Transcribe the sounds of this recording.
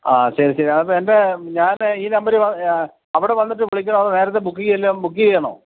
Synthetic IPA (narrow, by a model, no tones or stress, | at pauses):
aːɕɐɾiɕɐɾiɐðɐp̬ːoende̞ɲaːniːnɐmbɐɾeʋɐ | ɐʋiɽeʋɐnːiʈ̬ːɨʋiɭikʲːɐnɳɐɐðɨneːɾɐt̪̬ːe̞bukːiɣɐɐlːɐmbukːikiːɐɳo̰ː